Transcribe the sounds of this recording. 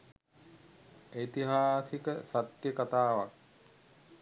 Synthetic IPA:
et̪iɦaːsikəsat̪jəkat̪aːʋak̚

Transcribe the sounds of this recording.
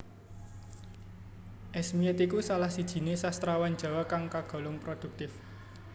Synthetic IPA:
ʔɛsmiɛt̪ikusalahsid̥ʒ̥i̤nesast̪ɾawan̥ʒ̥a̤wakaŋkaɡ̥ɔ̤lʊŋpɾod̪̥ṳk̚t̪ɪf

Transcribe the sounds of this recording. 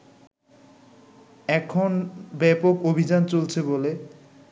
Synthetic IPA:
ɛkʰonbɛpokobʱid͡ʑant͡ɕolt͡ɕʰebole

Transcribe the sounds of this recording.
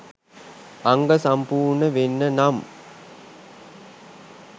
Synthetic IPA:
aŋɡəsampuːɾnəʋenːənam

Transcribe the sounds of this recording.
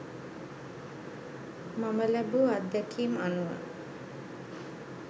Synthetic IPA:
maməlæbuad̪ːækʰiːmanuʋa̰

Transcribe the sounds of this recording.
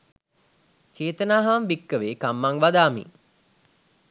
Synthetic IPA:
t͡ʃeːt̪ənaːɦaʋmbikːəʋeːkamːaŋʋad̪aːmḭŋ

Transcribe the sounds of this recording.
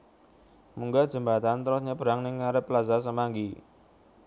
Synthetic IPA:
muŋɡad̥ʒ̥ə̤mbat̪ant̪ɾʊsɲəpəɾaŋnɪŋːaɾəplazasəmaŋɡi

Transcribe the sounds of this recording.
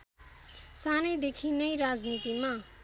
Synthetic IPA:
sanʌjd̪ekʰinʌjɾad͡znit̪ima

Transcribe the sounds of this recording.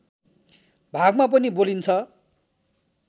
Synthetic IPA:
bʱaɡmap̬ʌnibolint͡sʰʌ

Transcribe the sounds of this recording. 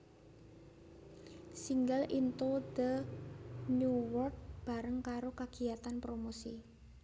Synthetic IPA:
siŋɡalint̪od̪ə | nuwɔrk̚b̥a̤ɾəŋkaɾokaɡ̥i̤at̪anpɾomosḭ

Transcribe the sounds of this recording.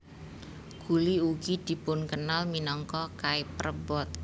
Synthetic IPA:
ɡ̥ṳliukid̪̥i̤pʊnkənalminɔŋkɔkaipəɾəbɔt̪̚

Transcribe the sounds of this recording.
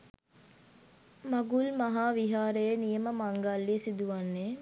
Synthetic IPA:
maɡulmaɦaːʋiɦaːɾəjənijəməmaŋɡalːiəsid̪uʋanːe

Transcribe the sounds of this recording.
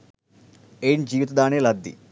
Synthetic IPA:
ejnd͡ʒiːʋit̪ɐd̪aːneːlɐd̪ːḭ

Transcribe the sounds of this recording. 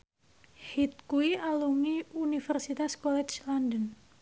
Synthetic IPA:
hit̪̚kuiʔaluŋiunifɛrsit̪askɔlɛt͡ʃlɔndən

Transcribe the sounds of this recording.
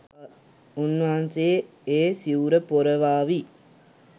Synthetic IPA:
onːaːnse | eːsiuɾəpoɾəʋaːʋi

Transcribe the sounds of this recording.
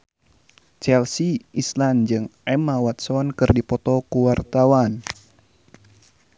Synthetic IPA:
t͡ʃɛlsiisland͡ʒɨŋʔɛmawat̪̚sɔnkɨrdipɔt̪ɔkuwart̪awan

